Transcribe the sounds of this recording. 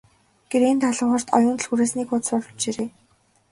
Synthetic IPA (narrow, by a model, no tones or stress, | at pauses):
ɡ̥eɾent̪ʰaɮə̆ŋχə̆r̥t̪ɔ̰jʊːnt̪̆ɮxuɾeːsniːkʊt͡ssɔɮɞ̆t͡ɕeɾeː